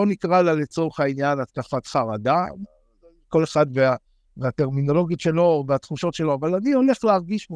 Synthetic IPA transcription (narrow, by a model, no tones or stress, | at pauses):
onikʁalalet͡so̞ʁeχainjanat̪kafatχaʁada | ko̞le̞χadvea | veat̪e̞ʁmino̞lo̞ɡjot̪ʃe̞lo̞veat̪χuʃo̞tʃe̞lo̞avalanio̞le̞χleaʁɡiʃ